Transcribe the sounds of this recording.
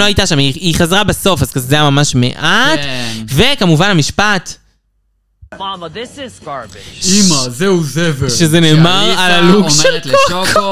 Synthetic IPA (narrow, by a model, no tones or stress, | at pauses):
oajtaʃamiiχazʁabeso̞fazkazzejamamaʃmḛʔat̪ve̞kamuvanamiʃpat̪ | ðɪsɪzɡɑɹbɪimazeuzeveʃezeneːmaʁalaluɡʃel